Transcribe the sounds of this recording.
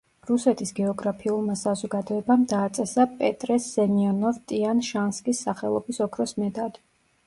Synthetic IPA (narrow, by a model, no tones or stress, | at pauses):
ɾusɛt̪ʰisɡɛɔɡɾapʰiulˠmasazɔɡad̪ɔɛbamd̪aːt̪sʼɛsapʼɛt̪ʼɾɛsːɛmiɔnɔvt̪ʼianʃanskʼisːaχɛ̰lˠɔ̰bisɔkʰɾɔsmɛd̪ad̪